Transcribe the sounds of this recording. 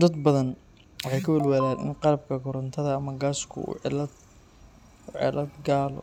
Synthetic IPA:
d̪ɐd̪bɐðɐn | wɑħɑjkʰɐwɪlwaːðaːnʔɪ̰nqɑɾɐb̚kʰɐɡɔɾɐnt̪ʰɐðɐːmɐɡaːskʰʊ̰ṵlɐd̪ | ʕɛ̰lɐd̪ɡaːlɔ̰

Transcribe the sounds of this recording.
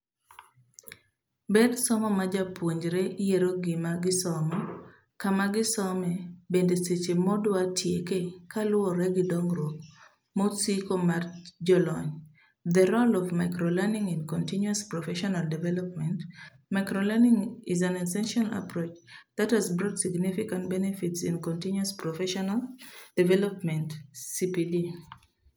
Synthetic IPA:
bɛd̪sɔmɔmad͡ʒapwoɲd͡ʒɾɛʔijeɾoɡɪmaɡɪsɔmɔ | kamaɡɪsɔmɛbendeset͡ʃemɔdwatʰjekekalʊɔɾɛɡɪdɔŋɾok̚ | mɔsikomard͡ʒɔlɔɲ | ðəɾolɔvmaɪkɾolɛnĩŋɛ̃nkɔ̃ntinjuaspɹɔfɛʃɔnaldivɛlɔp̚mɛ̃nt | maɪkɾolɛnĩŋizãnɛsɛ̃nʃla̰pɹot͡ʃðathazbɾɔtsiɡnifikãntbɛnɛfitsĩnkɔ̃ntinjuaspɹɔfɛʃɔnald̥ivɛlɔpmɛ̃ntsipili

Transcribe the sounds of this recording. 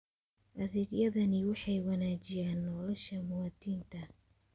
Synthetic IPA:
ʔɐðɪɡjɐðɐnɪwɑħɑjwɑnaːt͡ʃɪjaːnːɔːlɔʃɐmʊwaːt̪iːnt̪ʰɐ

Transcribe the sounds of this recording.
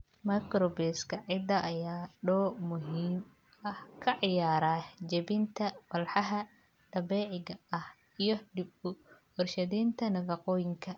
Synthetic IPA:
mɐkɾɔbɛːskʰɐʕɪd̪ɐʔɐjaːɖɔːmʊɦiːm | ɐhkʰɐʕɪjaːɾaːd͡ʒɐβɪnt̪ʰɐfɐlħɑɦɐ | d̪̥ɐbɛːʕɪɡɐɐh | ijɞɖɪbʊ | ɔrʃɐðiːnt̪ʰɐnɐβɑqɔːjɪŋkʰɐ

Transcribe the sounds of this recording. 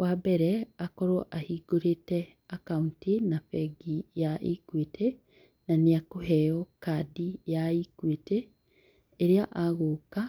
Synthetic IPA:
wabɛɾɛakɔɾɔʔahiɡoɾetɛ | akauntinafɛɡijaʔikwetʰe | naneakohɛjɔkadijaikweteː | ɾeaʔaɣoːka

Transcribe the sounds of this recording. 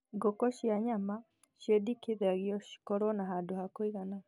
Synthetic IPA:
ɡɔkɔʃjaɲama | ʃjedikiðaɣjɔʃi̥kɔɾɔnaɦaːnduhakwiɣana

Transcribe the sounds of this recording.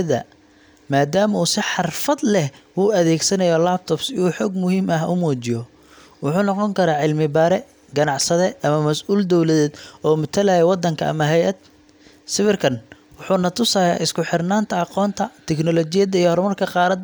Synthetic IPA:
ðɐ̰ | maːd̪aːmɐuːsɪħɑrfɐd̪lɛhwuːɐðɛːɡsɐnɐjɔlaːp̚t̪ʰɔbsɪuːħɔːɡmʊhiːmɐɦʊmuːt͡ʃɪjɔ | wʊħuːnɔqɔŋkʰɐɾaːʕɪlmɪbɐɾɛ | ɡɐnɑʕsɐðɛʔɐmɐmɐsʔuːld̪ɔwlɐðɛːd̪ɔːmʊt̪ʰɐlaːjɛwɑd̪ːɐŋkʰɐɐ̰mɐɦɛjʔɐd̪̚ | sɪβɪrkʰɐn | wʊħuːnɐt̪ʰʊsaːja̰ːʔɪskʰʊħɪrnaːnt̪ʰɐɑqɔːnt̪ʰɐt̪ʰɛknɔlɔt͡ʃɪjɐðɐijɔhɔrmɐrkʰɐqɑːɾɐd̪

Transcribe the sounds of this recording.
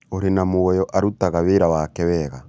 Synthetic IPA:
oɾenamoɔjɔʔaɾutaɣaβeɾawakɛwɛːɣa

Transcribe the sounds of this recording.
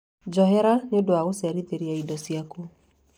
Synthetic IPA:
d͡ʒɔɦɛɾanodoaɣosɛɾiðeɾiaidɔsiako

